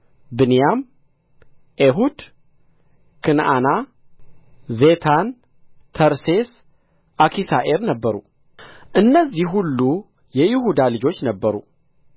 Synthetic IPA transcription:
bɨnjam | ʔeɦud̪ | kʰɨnʔa̰na | zet̪ʰan | t̪ʰəɾses | ʔakʰisaʔeɾnəbːəɾṵ | ʔɨnːəzːiɦulːu | jɛjɪɦud̪alɨd͡ʒo̞t͡ʃːnəbːəɾṵ

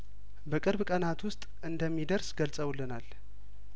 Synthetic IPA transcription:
bəkʼɨɾβkʼənat̪wʊst̪ʼ | ɨnd̪əmːid̪əɾsɡəlsʼəwlːɨnal

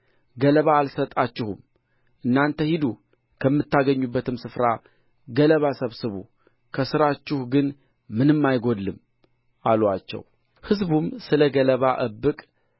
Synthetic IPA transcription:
ɡələβaːlsət̪ʼat͡ʃːɪhum | ʔɨnːant̪ʰəhid̪u | kʰəmːɨt̪ʰːaɡəɲːubːət̪ʰɨmsɨfɾa | ɡələβasəβsɨβṵ | kʰəsɨɾat͡ʃːɪhɡɨn | mɨnɨmːajɡo̞d̪lɨm | alwat͡ʃːɛ̰w | hɨzbumsɨləɡələβaʔəbːɨkʼ

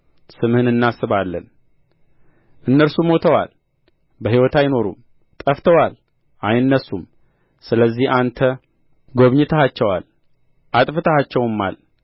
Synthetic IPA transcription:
sɨmhɨnɨnːasɨβalːən | ʔɨnːəɾsumo̞t̪ʰəwa̰l | bəɦiwɔt̪ʰajno̞ɾṵm | t̪ʼəft̪ʰəwal | ʔajɨnːəsːum | sɨləzːihʔant̪ʰə | ɡo̞βɲɪt̪ʰəhat͡ʃːɛwa̰l | ʔat̪ʼfɨt̪ʰəhat͡ʃːɛwɨmːa̰l

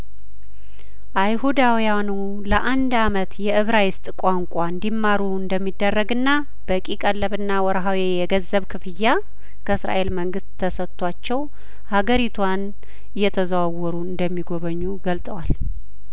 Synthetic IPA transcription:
ʔajhud̪awjanu | ləʔand̪amət̪jɛʔɨβɾajɪst̪ʼkʷʼaŋkʷʼaɨnd̪imːaɾuɨnd̪əmːid̪ːərːəɡɨnːa | b̥əkʼikʼəlːəβɨnːawɔɾɦawejɛɡəzːəβkʰɨfɨjːa | kʰəɨsɾa̰ʔe̞lməŋɡɨst̪ʰːəsət̪ʰːwat͡ʃːɛw | haɡəɾit̪ʰwan | ɨjːɛt̪ʰəzəwawːɔɾuɨnd̪əmːiɡo̞βəɲːuɡəlt̪ʼəwal

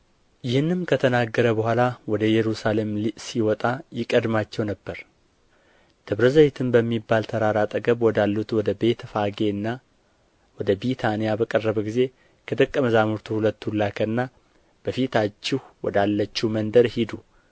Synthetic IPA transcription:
jɪhɨnːɨmkʰət̪ʰənaɡːəɾəbəhʷalawɔd̪əjɛɾusale̞mlisiwɔt̪ʼajɪkʼəd̪mat͡ʃːɛwnəbːəɾ | t̪ʰɨβɾəzəβet̪ʰɨnbəmːibːalt̪ʰəɾaɾat̪ʼəɡəβwɔd̪alːut̪wɔd̪əbe̞t̪faɡe̞ɨnːa | wɔd̪əbit̪ʰanijabəkʼərːəβəɡize̞ | kʰəd̪ɨkʼːəməzamuɾt̪ʰuhulət̪ːulakʰənːa | b̥əfit̪ʰat͡ʃːɪhwɔ̰d̪alːət͡ʃːumənd̪əɾhid̪u

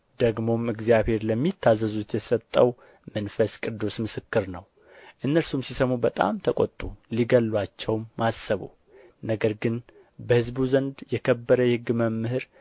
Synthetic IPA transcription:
d̪əɡmo̞mɨɡzjaβhe̞ɾləmːit̪ʰːazəzut̪jɛsət̪ʼːəw | mənfəskʼɨd̪ːusmɨsɨkːɨɾnəw | ʔɨnːəlsumsisəmubət̪ʼa̰mt̪ʰəkʼo̰t̪ʼːuliɡəlːwat͡ʃːɛwmːasːəβṵ | nəɡəɾɡɨn | bəhɨzbuzənd̪jɛkʰəbːəɾəhhɨɡːməmːɨhɨɾ

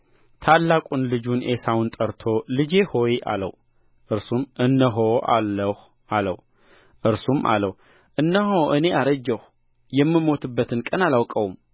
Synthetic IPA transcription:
t̪ʰalːakʷʼunlɨd͡ʒunesawunt̪ʼəɾt̪ʰo̞lɨd͡ʒe̞ho̞jʔa̰lə̰w | ʔɨɾsumʔɨnːəɦoa̰lːəh | ʔalə̰w | ʔɨɾsumʔa̰ləh | ʔɨnːəɦoʔɨne̞aɾəd͡ʒːəh | jɛmːɨmo̞t̪ʰɨbːət̪ʰɨnkʼənalawkʼəwum

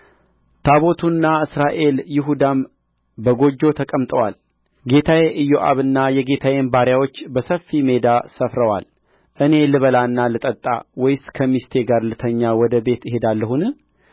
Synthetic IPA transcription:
t̪ʰaβo̞t̪ʰunːaɨsɾaʔe̞ljɪɦud̪am | bəɡo̞d͡ʒːo̞t̪ʰəkʼəmt̪ʼəwal | ɡe̞t̪ʰajeʔɨjoʔa̰βɨnːajɛɡe̞t̪ʰajenbaɾjawo̞t͡ʃːbəsəfːime̞d̪asəfɾəwa̰l | ʔɨne̞lɨβəlanːalɨt̪ʼət̪ʼːa̰wɔjɪskʰəmist̪ʰe̞ɡaɾlɨt̪ʰəɲːawɔd̪əbe̞t̪ɪɦe̞d̪alːəhunɨ

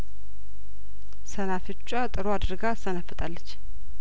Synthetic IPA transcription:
sənafɨt͡ʃʼat̪ʼɨɾoad̪ɾɡasənafːət̪ʼalːət͡ʃː

